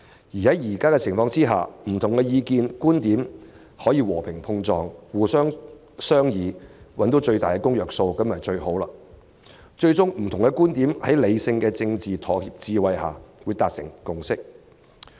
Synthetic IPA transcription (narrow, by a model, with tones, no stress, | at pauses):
jiː˨˩hɐ˨˥jjiː˨˩kaː˥kɛ˧t͡sʰɪ˨˩ŋfɔː˧ŋt͡siː˥ɦa̰ː˨m̩˨˩t̪ʰʊ˨˩ŋkɛ˧jiː˧kiː˧nkuː˥nt̪iː˨˥m | hɔː˨˥jiː˧wɔː˨˩pʰɪ˨˩ŋpʰʊ˧ŋt͡sɔː˧ŋwuː˨˩sœː˥ŋ | sœː˥ŋjiː˨˧wɐ˨˥nt̪o˨˥wt͡ʃɵ˧ɥt̪aː˨jkɛː˧kʊ˥ŋjœː˨k̚so˧wkɐ˥mjɐ˨˩t͡ʃɵ˧ɥho˨˥wlaː˧ | t͡ʃɵ˧ɥt͡sʊ˥ŋm̩˨˩t̪ʰʊ˨˩ŋkɛ˧kuː˥nt̪iː˨˥mhɐ˨˥jle˨˧jsɪ˧ŋkɛː˧t͡sɪ˧ŋt͡siː˨t̪ʰɔː˨˩hiː˧p̚t͡siː˧wɐ˧jha̰ː˨˩wuː˨˧jt̪aː˧˨k̚sɪ̰˨˩ŋkʊ˧ŋsɪ˥k̚